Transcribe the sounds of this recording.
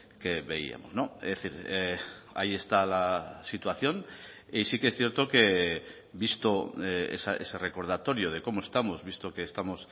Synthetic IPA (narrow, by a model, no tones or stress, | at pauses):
ke̞βe̞ḭa̰mo̞̰zno̞ezðeθiɾea̰ie̞st̪alasit̪waθjo̞n | isikeesθje̞ɾt̪o̞ke̞ | βist̪oeesaʔese̞re̞ko̞ɾð̞at̪o̞ɾjoð̞e̞ko̞moe̞st̪amo̞zβist̪o̞ke̞ːst̪amo̞s